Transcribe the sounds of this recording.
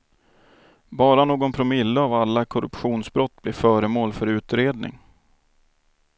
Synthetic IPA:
bɑːɾanoːɡɔnpʰɾʊmɪlːəavalːakʰɔɾɵ̰pɧuːnsbɾɔt̪ːblɪːfœːɾəmoːlfœɾʉ̟ːt̪ɾeːd̪nɪ̰ŋ

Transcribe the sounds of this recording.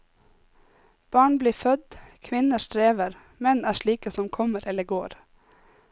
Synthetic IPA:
b̥ɑːɳbliːfœd̪kʰʋɪnəʃʈɾeːʋəɾ | mɛnæːʃɭiːkəsɔmkʰɔməɾʔɛləɡoːɾ

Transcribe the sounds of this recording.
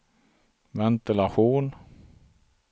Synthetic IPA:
vɛnt̪ɪlaɧuːn

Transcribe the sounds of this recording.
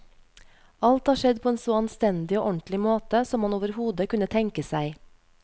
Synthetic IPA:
ɑlt̪hɑːʃɛd̪pʰoːeːnsoːɑnst̪ɛnd̪ɪoːʔɔnt̪lɪmoːt̪əsɔmhɑnoːʋəɾhuːd̪əkʉnət̪ʰɛŋkəsæɪ

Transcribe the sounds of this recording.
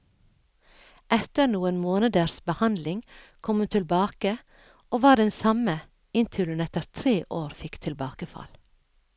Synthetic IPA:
ʔɛt̪əɾnuːənmoːnəd̪əɾsbəhɑnd̪lɪŋkʰɔmʉnt̪ʰɪlbɑːkə | ʔoːʋɑːɖɛnsɑmə | ɪnt̪ʰʏlənɛt̪əɾt̪ʰɾeːʔoːɾfɪkt̪ʰɪlbɑːkəfɑ̰l

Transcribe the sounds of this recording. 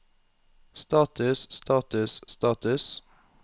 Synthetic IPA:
st̪ɑːt̪ʉsst̪ʰɑːt̪ʉsst̪ɑːt̪ʉs

